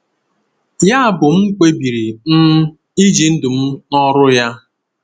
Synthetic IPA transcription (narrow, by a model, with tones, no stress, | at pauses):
ja˦a˦˨bʊ˨m̩˦ŋ͡m̩˦k͡pe˦bi˨ɾi˨n̩˦ | i˦d͡ʒi˨n̩˦dʊ˨m̩˦nɔ˦ɾʊ˦ja˦